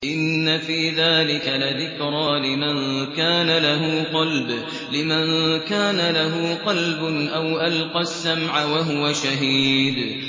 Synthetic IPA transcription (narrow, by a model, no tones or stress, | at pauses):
ʔɪnːafiːðaːlɪkalaðɪkɾˤɑːlɪmankaːnalaɦuːqɑlb | lɪmankaːnalaɦuːqɑlbʊnʔawʔalqɑsːamʕawaɦʊwaʃaɦiːd̪